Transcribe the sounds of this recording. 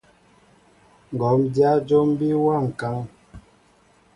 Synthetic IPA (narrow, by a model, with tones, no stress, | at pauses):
ŋ̩˨ɡɔ˨˦mdja˦d͡ʒo˦m˦bi˦wa˦˨ŋ̩˨ka˨˦ŋ